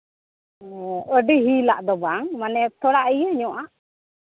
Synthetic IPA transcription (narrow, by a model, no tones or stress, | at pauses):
ʔəɖiɦilaʔd̪ɔbaŋmanɛt̪ɔɽaʔijəɲɔʔaʔ